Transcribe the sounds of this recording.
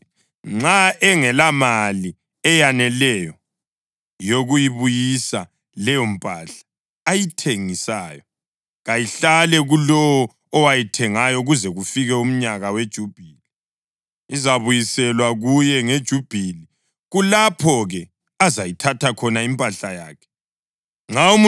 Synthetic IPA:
ŋ͡ǁaɛŋɛlamali | ɛjanɛlɛjɔ | joɣujiβujisa | lɛjɔm̩pʼaɬḁː | jitʰeŋisaːjɔ | ɣajiɬalɛɣulɔwɔː | wajitʰɛŋajɔɣuzɛɣufiɣɛum̩ɲaɣawed̥ʒ̥ʱub̥ʱili | izaβujisɛlwaɣujɛŋed̥ʒ̥ʱub̥ʱili | ɣulapʰɔɣɛ | azajitʰatʰakʰɔnaimpʼaɬaja̰ːkʰɛ̥ | ŋ͡ǁaum

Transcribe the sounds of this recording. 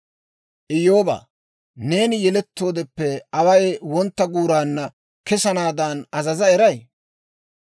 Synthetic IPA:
ʔɪjoːba̰ː | ne̞ːnɪjɛlɛt̪ːo̞ːd̪ɛpːɛɐwɐjwɔnt̪ːɐɡuːɾaːnːɐ | kɛsɐnaːd̪aːnɐzɐzɐɛɾɐj

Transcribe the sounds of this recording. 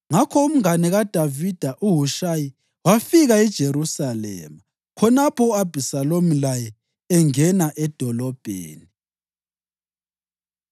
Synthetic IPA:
ŋakʰɔum̩ŋanɛɣad̥ʱavid̥ʱaʔuɦuʃaji | wafiɣaɛd̥ʒ̥ʱeɾusalɛ̰ːma | kʰɔnapʰɔuab̥ʱisalomilajɛ | ɛŋɛnaʔɛd̥ʱɔlɔb̥ʱḛːni

